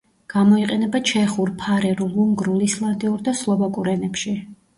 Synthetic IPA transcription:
ɡ̥amɔiqʼɛnɛbat͡ʃʰɛχuɾpʰaɾɛɾulˠuŋɡɾulislˠand̪iuɾd̪aslˠɔbakʼuɾɛnɛpʃi

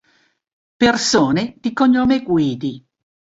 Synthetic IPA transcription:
persoːned̪̥ikoɲːoːmeɡwiːd̪i

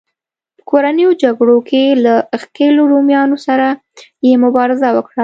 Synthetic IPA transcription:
pə̥koɾanəjod͡ʒaɡɽokʰelaxkeloɾomjɑnosaɾa | jemʊbɑɾɪzawəkɽa

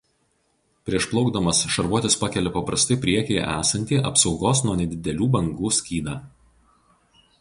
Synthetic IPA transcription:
pʲɾʲiɛʃplˠɒʊɡd̪ɐmɐsʃɐɾʋuɔt̪ʲɪspɑkʲɛlʲɛpɐpɾɐst̪ɐɪpʲɾʲiɛkʲɛɪʔæ̰ːsɐnʲt̪ʲiːʔɐ̰psɒʊɡoːsnuɔnʲɛd̪ʲɪd̪ʲɛlʲuːbɐŋɡuːsʲkʲiːd̪ɑː

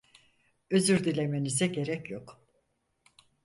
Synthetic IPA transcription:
øzyɾd̪ilʲemenizɛɟe̞ɾɛcjok

